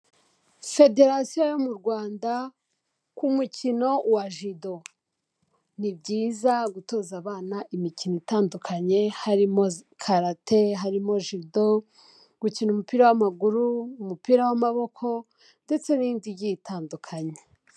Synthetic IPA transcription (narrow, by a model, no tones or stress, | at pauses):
fe̞de̞ɾasijojomuɾɡwaːnda | kumucino̞waʒido̞ | nibɟiːzaɡuto̞zaβaːnaʔimicinoitaːndukʰaɲe̞haɾimo̞kʰaɾateɦaɾimo̞ʒido | ɡ̥ucinumupiːɾawamaɡuɾuːmupiːɾawamaβo̞kʰo̞ | nde̞t͡se̞niːndiɟitʰaːndukʰaɲe